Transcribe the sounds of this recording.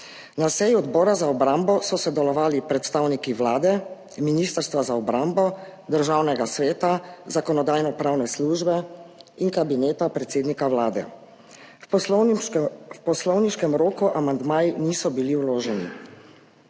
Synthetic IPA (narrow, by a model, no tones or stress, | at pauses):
nasɛjuɔd̪bɔːɾazaɔbɾambɔsɔsɛd̪ɛlɔʋaːlipɾɛt̪st̪aːwnikiʋlaːd̪ɛ | miniːst̪əɾst̪ʋazaɔbɾambɔd̪əɾʒaːwnɛɡasʋɛːt̪azakɔnɔd̪aːjnɔpɾaːwnɛsluːʒbɛinkabinɛːt̪apɾɛt̪seːd̪nikawlaːd̪ɛ̰ | pɔslɔwniʃkɛmɾoːkuʔamand̪maːjiniːsɔbiliwloːʒɛnḭ